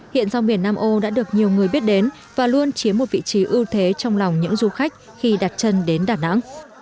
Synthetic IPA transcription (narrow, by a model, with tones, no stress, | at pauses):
hḭ˧˨ənza˧wŋ͡mɓi˨˩ənːaː˧mʔo˧ɗa̰ː˧˥ɗɨ˨˩ək̚ɲi˨˩əwŋɨ˨˩əjɓi˦˥ət̚ɗe˨˦n | vaː˨˩lu˧ənt͡ɕi˨˦əmːo˨˩t̚vḭ˧˨t͡ɕi˨˦ʔɨ˧wt̪ʰe˨˦t͡ɕɔ˧wŋ͡mla˨˩wŋ͡mɲɨ̰˧˥ŋzu˧xa˦˥jk̟̚ | xi˧ɗa˨˩t̚t͡ɕə˧nɗe˨˦nɗaː˨˩na̰˧˥ŋ